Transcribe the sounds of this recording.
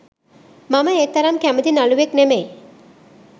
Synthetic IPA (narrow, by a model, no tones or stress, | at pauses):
maməeːt̪ɐɾamkæməd̪inaluʋeknemej